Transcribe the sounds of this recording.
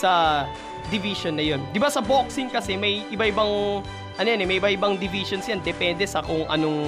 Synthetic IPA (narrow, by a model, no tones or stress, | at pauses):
sɐ | d̪ɪviʃonːɐjo̞nd̪ɪbasɐbok̚sɪŋkɐsɛmɐjʔɪbaʔɪbaŋ | ʔɐnojonɛmɐjʔɪbaʔɪbɐŋd̪ɪviːʃonsjand̪ɛpɛnd̪ɛsɐkoŋʔɐ̰noŋ